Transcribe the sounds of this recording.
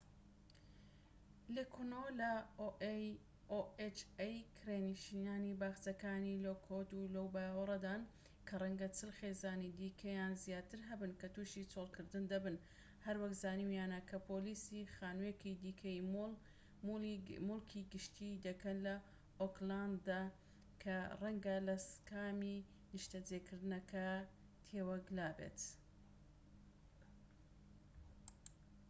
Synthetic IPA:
lekʰunolɐ | oet͡ʃejkʰreːniʃinaːnibaːxt͡sɐkaːnilokʰot̪ulɐwbaːwɐɾˤɐd̪aːn | kʰɐrˤɐŋɡɐt͡sʰɨlxeːzaːnid̪iːkʰɐjaːnzjaːt̪ɨɾɦɐbɨnkɐt̪uːʃit͡solˠkʰɨɾd̪ɨnd̪ɐbɨn | hɐɾwɐkzaːnimjaːnɐkʰɐpʰoːliːsixaːnuekid̪iːkʰɐjim | mʊlkʰiɡɨʃt̪ʰid̪ɐkɐnlɐ | okland̪d̪aː | kʰɐrɐŋɡɐlɐskaːmi | nɨʃt̪ɐd͡ʒekɨɾd̪ɨnɐkʰɐ | t̪ʰeːwɐɡlaːbḛt̪

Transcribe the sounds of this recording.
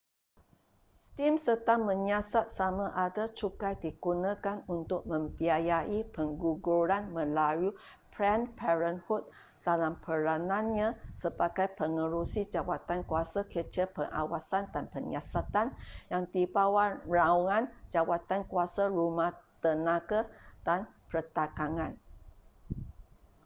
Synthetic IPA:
st̪imsət̪aŋmə̃ɲasat̪̚samãʔadat͡ʃukajdiɡunãkanunt̪ʊk̚mə̃mbiajaʔipəŋɡuɡuɾanmə̃laju | pɹɛnpɛɹənhut̪̚ | d̥alampʰəɾanãnɲãsəbaɡajpəŋəɾusid͡ʒawat̪ankuasakət͡ʃəpəŋʔa̰wasandanpəŋasat̪anjaŋd̪ibawarauŋãnd͡ʒawat̪ankuasaɾumaht̪ənãkad̥anpət̪akaŋãn

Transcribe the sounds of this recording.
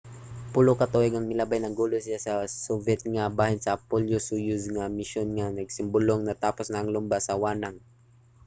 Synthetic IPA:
pʊlokɐt̪oʔɪɡɐŋmɪlabajnɐŋɡuːlosɪlasɐsovɛt̪̚ŋɐbaːhɪnsɐpoljosujʊsŋɐmɪʃjonŋɐnɐɡ̚sɪmbʊloŋnɐt̪aːposnɐʔɐŋlʊmbasɐwaːnɐŋ

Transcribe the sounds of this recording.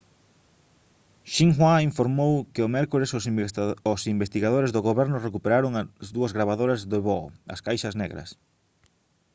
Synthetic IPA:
ʃiŋxwaiɱfoɾmowkɪomɛɾkoɾes | osimbest̪iɣaðoɾezðoɣoβɛɾnʊrekupeɾaɾoŋzðuɐzɣɾaβaðoɾɐzðoβɔ̰ɐ̰skajʃɐznɛ̰ɣɾɐ̰s

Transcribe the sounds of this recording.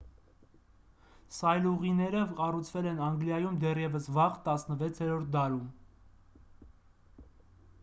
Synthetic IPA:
sɑjluʁinɛɾəɑrut͡sʰvɛlɛnɑŋɡljɑjumd̪ɛrjɛvəsvɑʁt̪ɑsnəvɛt͡sʰɛɾɔɾt̪̚ʰd̪ɑɾum

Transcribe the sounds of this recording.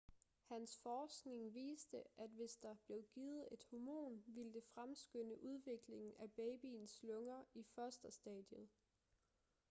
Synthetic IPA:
hænsfɒːsɡ̥ne̝ŋʋḭːsd̥əʔæd̥ʋe̝sd̥ɑ̈b̥le̝ʊɡ̥iːð̩ˠe̝d̥homo̝̰ːnʋild̥e̝fʁamsɡ̥øn̰əʔuð̞ˠʋe̝ɡ̥le̝ŋn̩æb̥ɛɪb̥ḭːnslɔ̽ŋɐifɶɐsd̥ɐsd̥ɛ̰d̥jəð̩ˠ

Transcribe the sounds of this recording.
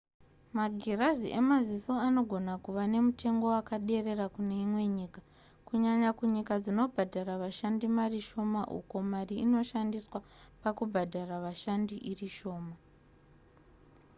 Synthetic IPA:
maɡʱeraziʔe̞maziso̞ano̞ɡʱo̞nakuʋane̞mutʰe̞ŋɡo̞wakaɗe̞re̞rakune̞imwe̞ɲiːka | kuɲaɲakuɲikad͡zino̞bʱadʱaɾaʋaʃandimariʃo̞maʔṵko̞mariino̞ʃandiswapakubʱadʱaraʋaʃandiʔiriʃo̞ːma

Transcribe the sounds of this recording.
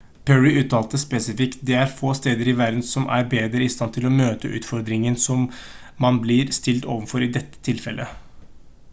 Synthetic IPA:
pʰœɹɪʉːt̪ːɑːlt̪əspɛsɪfɪkt̪̚d̪ɛæɾfoːst̪eːd̪əɾɪʋæɾd̪n̩sɔmʔæɾbeːd̪ɾəɪst̪ɑnt̪ʰɪlɔmøːt̪əʔʉ̰ːt̪fɔɾd̪ɾɪŋənsɔmː | ɑnblɪɾst̪ɪlt̪oːʋənfɔɾɪd̪ɛt̪ːə̥t̪ʰɪlfɛlʔə

